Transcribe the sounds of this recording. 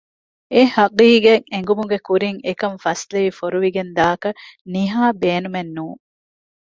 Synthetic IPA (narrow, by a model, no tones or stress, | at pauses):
ehɐqiːɡeŋeŋ̆ɡumuɡekuɾiŋekɐɱfɐsleʋifoɾuʋiɡend̪aːkɐniɦaːbeːnumenːuːŋ